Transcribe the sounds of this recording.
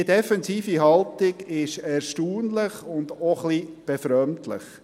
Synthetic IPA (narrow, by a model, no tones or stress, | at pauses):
ədɛfɛnziːfiɦɑlt̪ɪɡɪʃɛɾʃtuːnlɪχʊnd̪oχlib̥ɛfɾœmt̪ʰlɪ̰χ